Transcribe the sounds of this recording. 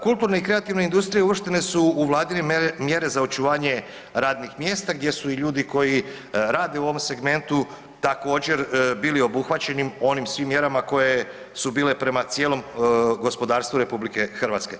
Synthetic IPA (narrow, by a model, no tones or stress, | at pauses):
kult̪uɾneikɾe̞at̪iʋneind̪ust̪ɾijeuʋr̩ʃt̪ene̞suːʋlˠaːd̪inemje̞ɾe̞zaot͡ʃuʋaːɲe̞ | ɾaːd̪nixmje̞ːst̪aɡ̚d̪je̞suiʎuːd̪iko̞ji | ɾaːd̪e̞uoʋomse̞ɡme̞nt̪u | t̪ako̞ːd͡ʒe̞ɾbiːlio̞buxʋat͡ɕe̞nimo̞nimsʋimːje̞ɾamako̞je̞ | subiːle̞pɾe̞mat̪sje̞ːlo̞mɡo̞spo̞d̪aːɾst̪ʋuɾe̞publike̞xrʋaːt̪ske̞